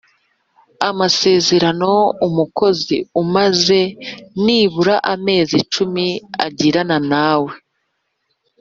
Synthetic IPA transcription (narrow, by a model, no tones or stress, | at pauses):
amase̞ːze̞ɾano̞umuko̞ziumaze̞niːβuɾaʔame̞ːzit͡ʃumia̰ɟiɾananaːwe̞